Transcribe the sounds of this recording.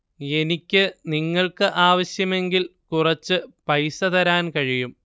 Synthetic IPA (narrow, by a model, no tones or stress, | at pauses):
e̞nikʲːɨniŋːɐɭkɨʔaːʋɐɕjɐme̞ŋɡilkurɐt͡ɕːɨpɐjsɐðɐɾaːnkɐɻijum